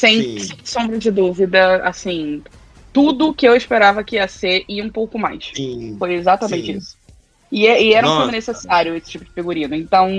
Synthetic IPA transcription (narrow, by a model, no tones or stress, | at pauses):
sẽj̃sõmbɾɐd͡ʒɪd̪uvid̪ɐa̰sĩ | t̪ud̪ʊːkɪewɪʃpeɾavɐkɪiɐseɾɪũpowkʊmajʃfojezat̪ɐmẽnt͡ʃɪisʊ̥ | ɪɛʔɪɛɾɐũfõmʊnesesaɾjʊesɪ̥t͡ʃipʊd͡ʒɪfiɡuɾĩnʊẽnt̪ɐ̃w̃